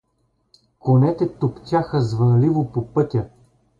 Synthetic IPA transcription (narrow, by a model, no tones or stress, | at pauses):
konɛt̪ɛt̪okt̪ʲaxəzvɐnlivopopɤt̪ʲə